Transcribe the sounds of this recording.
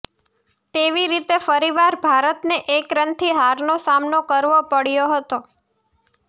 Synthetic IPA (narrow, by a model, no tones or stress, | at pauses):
t̪eʋiɾit̪efəɾiʋaɾbʱaɾət̪neʔekɾənt̪ʰiɦaɾnosamnokəɾʋopəɽjoɦət̪o